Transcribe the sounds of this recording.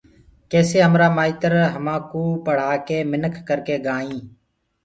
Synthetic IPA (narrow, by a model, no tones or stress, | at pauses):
kɛːseːɦəmɾaːmaːiːt̪əɾɦəmãːkuːpəɽ̤aːkeːmɪnəkʰːəɾkeːɡaːĩː